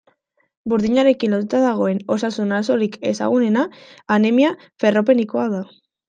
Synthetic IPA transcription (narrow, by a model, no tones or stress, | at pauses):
buɾðiɲaɾe̞kinlo̞t̪ut̪aðaɣ̞o̞e̞no̞sasunaso̞ɾike̞sa̰ɣ̞une̞naːnemia | fe̞ro̞pe̞niko̞að̞a